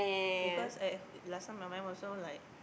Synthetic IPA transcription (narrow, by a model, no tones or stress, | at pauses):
bikɔsalasãnmãmãnɔsolaɪk̚